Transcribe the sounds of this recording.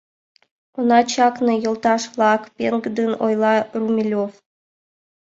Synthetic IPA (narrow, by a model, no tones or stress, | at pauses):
onɑt͡ɕɑknɤ̆jɤ̆lˠt̪ɑʂlˠɑkpʲeŋɡd̪ɘnojlˠɑrumʲilʲof